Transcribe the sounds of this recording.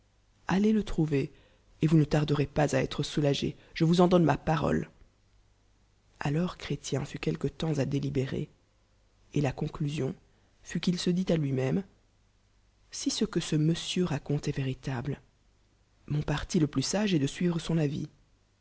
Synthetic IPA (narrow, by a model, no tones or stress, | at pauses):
alelət̪χuve | evunət̪aʁd̪əʁepazaɛ̰t̪χəsulaʒḛ | ʒ̥əvuzɑ̃d̪ɔnmapaʁɔ̰l | a̰lɔʁkχet̪jɛ̃fykʲɛlkət̪ɑ̃zad̪elibeʁḛ | elakɔ̃klyzjɔ̃ | fykilsəd̪it̪alɥimɛm | sisəkəsəməsjøʁakɔ̃t̪ɛveʁit̪abl | mɔ̃paʁt̪iləplysaʒɛd̪əsɥivʁəsɔ̃navḭ